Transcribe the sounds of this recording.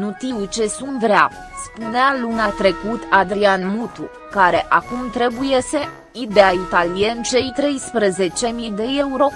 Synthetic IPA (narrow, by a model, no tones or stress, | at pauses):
nut̪iwt͡ʃe̞sunt̪vɾea̰ | spunealuneat̪ɾe̞kut̪ʰad̪ɾianmut̪u | kaɾe̞ʔakumt̪ɾe̞bujese̞ | id̪eait̪alijent͡ʃe̞jt̪ɾe̞jspɾəze̞t͡ʃe̞mid̪e̞e̞uɾo̞